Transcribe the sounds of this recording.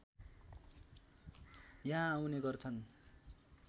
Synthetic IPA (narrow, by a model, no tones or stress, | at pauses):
jaãːwneɡʌrt͡sʰʌn